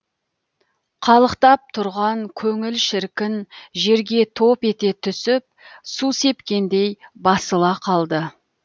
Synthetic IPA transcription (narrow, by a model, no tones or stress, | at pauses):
qʰɑlˠəqt̪ɑp̚t̪ʰʊɾʁɑŋkʲʰɵŋɪlʃɪɾkʲɪnʒe̞ɾɡʲe̞t̪ʰo̞pe̞t̪e̞t̪ʰʏsɪp̚suse̞pkʲe̞nd̪e̞jbɑsəlˠɑqʰɑlˠd̪ə